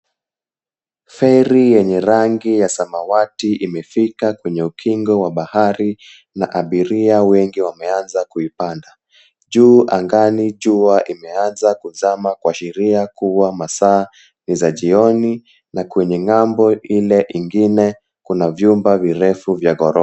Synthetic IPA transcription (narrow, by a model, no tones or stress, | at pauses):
fɛɾijɛɲɛɾaŋɡijasamawatiimɛfikakwɛɲɛukʰiŋɡɔwaɓahaɾi | naʔaɓiɾiawɛŋɡiwamɛanzakuipanda | ʄuːʔaŋɡaniʄuaʔimɛanzakuzamakwaʃɛɾiakuwamasaː | nizaʄiɔni | nakwɛɲɛŋambɔʔilɛʔiŋɡinɛ | kunavjumbaviɾɛfuvjaɣɔɾɔ